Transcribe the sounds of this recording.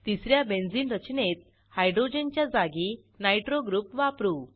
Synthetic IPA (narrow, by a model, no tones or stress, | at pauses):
t̪isɾjabẽnd͡ziːnɾət͡ɕnet̪̚ | hajɖɾod͡ʑent͡ɕjad͡zaɡi | najʈɾoɡɾupʋapɾu